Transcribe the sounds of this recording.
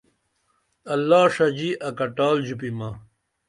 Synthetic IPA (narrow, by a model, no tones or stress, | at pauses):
ɐlːaːʂɐd͡ʑiʔɐkɐʈaːld͡ʑupimɐ